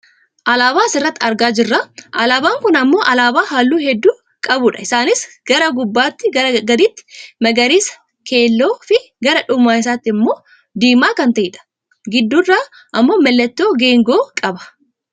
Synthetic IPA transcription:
ʔɐlaːbaːsɪrːɐt̪ːɪɐɾɡaːd͡ʒɪrːaʔɐlaːbaːŋkʊnɐmːo̞ːʔɐlaːbaːɦaːlːuːɦɛd̪ːuː | kʼɐbʊːᶑɐɪsaːnɪsɡ̥ɐɾɐɡʊbːaːt̪ːɪɡɐɾɐɡɐd̪iːt̪ːɪ̥mɐɡɐɾiːs | kʰe̞ːlːo̞ːfɪ | ɡɐɾɐᶑʊmːaːɪs̬aːt̪ːɪɪmːo̞ː | d̪iːmaːkɐnt̪ɐʔɪᶑɐ̥ | ɡɪd̪ːurːaː | ʔɐmːo̞ːmɛlːɛt̪ːo̞ːɡeːŋɡo̞ːkʼɐbɐ̥

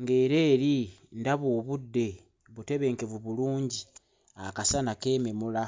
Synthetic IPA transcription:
ŋɡe̞ːɾe̞ːɾindaβwoːβudːe̞ | βute̞βe̞ːŋkeβuβuluːɲɟi | akasanake̞ːmemula

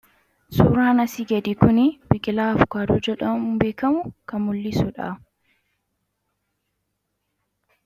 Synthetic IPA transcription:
suːɾaːnɐsiːɡɛd̪ikʊnɪb̥ɪkʼɪlaːfʊ̥kaːd̪uːd͡ʒɛᶑɐmʊbeːkɐmʊkɐmʊlːisʊᶑa̰

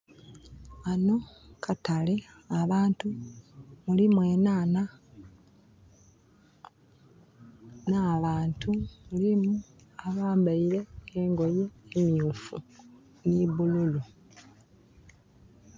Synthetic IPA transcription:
ano̞kʰatale̞ | aβaːntu | mulimwe̞ːnaːna | naβaːntʰumulimuaβaːmbaiɾe̞ːŋɡo̞je̞ːmiuːfu | niβululu

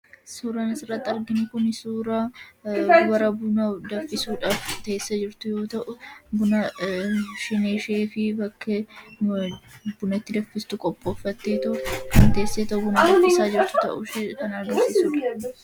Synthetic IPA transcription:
suːɾaːnɐsɪrːɐt̪ːɪɐɾɡɪnɪkʊnɪsuːɾa | wɐɾɐbʊnɐd̪ɐfːɪsuːᶑaːft̪ɐeːsːɐd͡ʒɪɾt̪ʊjo̞ːt̪ɐʔʊbʊnɐ | ʃɪneːʃeːfɪbɐkʰːɐ | bʊnɐt̪ːɪd̪ɐfːɪst̪ʊkʼɔpʼːoːfːɐt̪ːeːt̪ɐʊkɐnt̪eːsːeːt̪ɐʔʊbʊnɐd̪ɐfːɪsaːd͡ʒɪɾt̪ʊ̥t̪ɐʔʊʃekɐnaːɡɐsɪːsuːᶑa

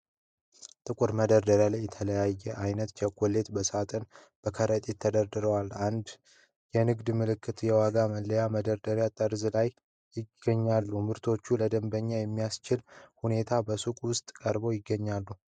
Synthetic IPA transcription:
t̪ʼɨkʷʼuɾməd̪əɾd̪əɾjalajːɛt̪ʰələjajːɛʔajnət̪t͡ʃʰɛkʷːole̞t̪bəsat̪ʼən | b̥əkʰəɾət̪ʼɪt̪ʰːəd̪əɾd̪ɨɾəwaland̪ | jɛnɨɡd̪mɨlɨkʰːɨt̪jɛwaɡaməlːəjaməd̪əɾd̪əɾjat̪ʼəɾzlaj | jɪɡəɲːalːumɨɾt̪ʰo̞t͡ʃːuləd̪əmbəɲːajɛmːijast͡ʃɪlhune̞t̪ʰabəsukʼwʊst̪ʼkʼəɾbo̞jɪɡːəɲːalːu

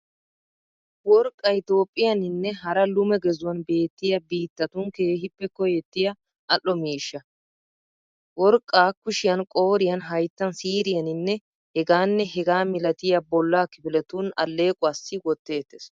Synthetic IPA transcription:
wɔɾkʼːɐjt̪o̞ːpʼːɪjɐnɪnːɛɦɐɾɐlʊmɛɡɛzʊwɐnbe̞ːt̪ːɪjɐbiːt̪ːɐt̪ʊŋke̞ːɦɪpːɛkːɔjɛt̪ːɪjɐ | ʔɐʔːɔmiːʃːɐ | wɔɾkʼːaːkʊʃɪjɐnkʼo̞ːɾɪjɐnɦɐjt̪ːɐnsiːɾɪjɐnɪnːɛ | hɛɡaːnːɛɦɛɡaːmɪlɐt̪ɪjɐbɔlːakɪbɪlɛt̪unɐ̰lːe̞ːkʼʊaːsːɪwɔt̪ːe̞ːt̪ːes

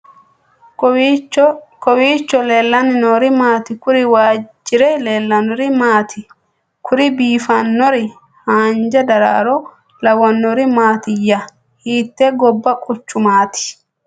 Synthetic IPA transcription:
kɔwiːt͡ʃːɔleːlːɐnɪnoːɾɪmaːt̪ɪkʊɾɪwaːd͡ʒːɪɾɛleːlːɐnɔɾɪmaːt̪ɪ | kʰʊɾɪbiːfɐnːɔɾɪ | haːnd͡ʒɐd̪ɐɾa̰ːɾɔ | lɐwɐnːɔɾɪmaːt̪ɪjːɐ | hiːt̪ːɛɡɔbːɐkʼʊt͡ʃːʊmaːt̪ɪ̥

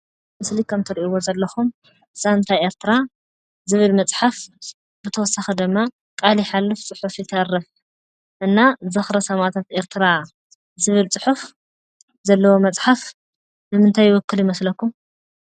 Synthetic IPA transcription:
mɨslikʰɐmt̪ʰɐɾiʔiwozɐlːɐxum | ʔɨz̥aɨnt̪ʰaje̞ɾt̪ʰɨɾa | zɨβɨlmɐt͡sʼħaf | bɨt̪ʰɐwɔsːaxid̪ɨmːa | kʼaliħalːɨft͡sʼɨħufjɪt̪ʰɐrːɐf | ʔɨnːazɨxɾɐsɐmat̪ʰat̪ʔe̞ɾt̪ʰɨɾa | zɨβɨlt͡sʼɨħuf | zɐlːɐwo̞mɐt͡sʼħaf | nɨmɨnt̪ʰajːɪwɔkːɨljɪmɐslɐkːum

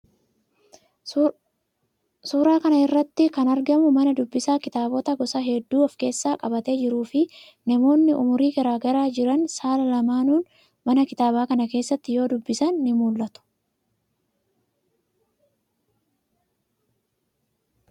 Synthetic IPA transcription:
suːɾaːkɐnɐɪrːɐt̪ːɪkɐnɐɾɡɐmʊmɐnɐd̪ʊbːɪsaːkɪt̪aːbɔt̪ɐɡɔsɐɦɛd̪ːuːɐfke̞ːsːaːkʼɐbɐt̪e̞ːd͡ʒɪɾuːfɪ | nɐmo̞ːnːɪʔʊmʊɾiːɡɐɾaːɡɐɾaːd͡ʒɪɾɐnsaːlɐlɐmaːnuːn | mɐnɐkɪt̪aːbaːkɐnɐke̞ːsːɐt̪ːɪjo̞ːd̪ʊbːɪsɐnːɪmuːlːɐt̪ʊ̥

